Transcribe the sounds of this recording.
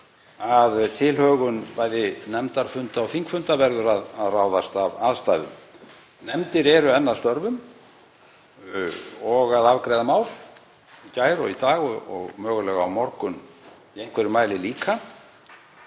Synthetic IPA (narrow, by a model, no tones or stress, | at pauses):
aðt̪ʰɪlhœːɣʏnpaːjðɪnɛmt̪aɾ̥fʏnt̪aɔwθiŋkfʏnt̪avɛɾðʏɾaðaðraːwðast̪avaðst̪aːjðʏ̰m | nɛmt̪ɪɾɛɾʏɛnːaðst̪œɾvʏm | ɔɣaðavkɾɛjðamaːwl | icaːjɾɔɣit̪aːɣɔɔ̰ɣmœːɣʏlɛɣa̰ːwmɔɾkʏn | iejn̥kʰvɛɾʏmaːjlɪliːkʰa